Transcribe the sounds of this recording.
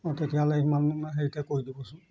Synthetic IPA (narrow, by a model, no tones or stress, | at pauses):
ɔtetijalejmanunaɦeɹitɛkoɹidibɔsʊ̃